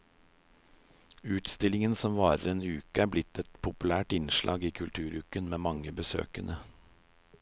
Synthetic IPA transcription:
ʉːt̪st̪ɪlɪŋənsɔmʋɑːɾə̰ɾeːnʉːkəæːblɪt̪ɛt̪pʰʊpʉlæːʈɪnʃlʔɑ̰ːɡiːkʰʉlt̪ʰʉːɾʉkənmeːmɑŋəbəsø̰ːkənʔə

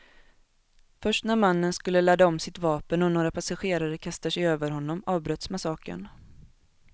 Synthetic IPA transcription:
fœʂʈnæɾmanːənskɵlːəlad̪ːaɔmsɪt̪vɑːpənɔnoːɾapʰasaɧeːɾaɾəkʰast̪aʂɛjøːvəɾɦɔnːɔmɑːvbɾœt̪smasɑːkə̰n

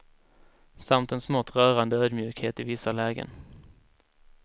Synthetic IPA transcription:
samt̪ɛnsmɔt̪ːɾœːɾand̪əøːd̪mjʉ̟ːkheːt̪ɪvɪsːalɛːɡə̰n

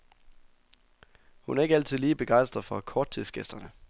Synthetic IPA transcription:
hunæɐe̝ɡəæl̰t͡sʰið̞ˠliːb̥e̝ɡ̥ɑ̈ɪ̰sd̥ʁɐðˠfɒ̽kʰɒːd̥̚t͡sʰið̰ˠsɡ̥esd̥ɐnə

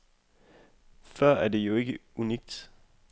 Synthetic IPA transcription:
fɶɐ̰æɐde̝jo̝e̝ɡ̥əuniɡ̥̚d̥

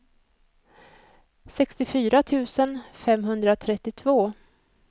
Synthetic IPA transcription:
sɛkst̪ɪfyːɾat̪ʰʉ̟ːsənfɛmɦɵnd̪ɾat̪ʰɾɛt̪ːɪt̪ʰvoː

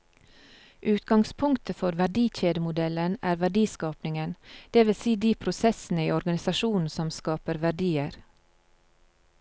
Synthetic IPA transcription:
ʔʉːt̪ɡɑŋspʰʊŋkt̪ʰəfɔɾʋæɖiːçeːd̪əmʊd̪ɛlənæːɾʋæɖiːskɑːpnɪŋənd̪̥eːʋɪlsiːd̪iːpʰɾʊsɛsn̩əiːɔɾɡɑnɪsɑʃuːnn̩sɔmskɑːpəɾʋæɖiːəɾ

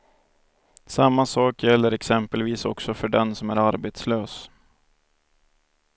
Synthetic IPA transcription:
samːasɑːkjɛlːəɾɛksɛmpəlviːsɔksɔfœɖɛnsɔmæːɾaɾbeːt̪sløːs

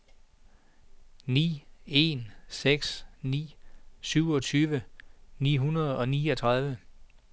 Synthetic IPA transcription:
nḭːe̝nseɡ̥snḭːsyʊɒ̽t͡sʰyːʋənḭːɦunɐð̞ˠɒ̽niːɒt͡sʰʁaðˠʋə

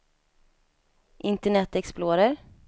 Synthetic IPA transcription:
ʔɪnt̪əɳɛt̪ɛksploːɾəɾ

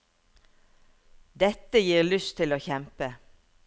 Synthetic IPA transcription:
d̪ɛt̪əjiːʁlʏst̪ʰɪloːçɛmpə

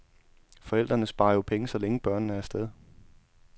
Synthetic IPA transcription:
fɒ̽el̰d̥ʁɐnəsb̥ɑ̈ːɐjopʰeŋəsɒ̽leŋəb̥ɶɐ̰nnəæɐsd̥eð̞ˠ

